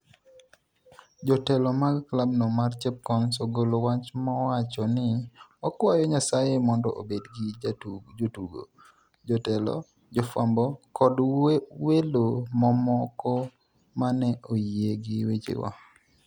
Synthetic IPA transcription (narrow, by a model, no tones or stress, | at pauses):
d͡ʒɔtɛlɔmaɡklab̚nomart͡ʃɛp̚kɔnsoɡolowat͡ʃmɔwat͡ʃɔnɪɔkwajɔɲasajemɔndɔ̰ʔo̰bedɡɪtud͡ʒotuɡo̰ | d͡ʒɔtɛlɔ̰ | d͡ʒɔfambɔkɔdwelomɔmɔkɔ | manɛʔojeɡɪwet͡ʃɪ̰wa̰